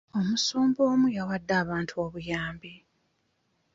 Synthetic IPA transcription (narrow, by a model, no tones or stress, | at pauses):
o̞musuːmbo̞ːmujawadːaːβaːntʰuo̞βujaːmbi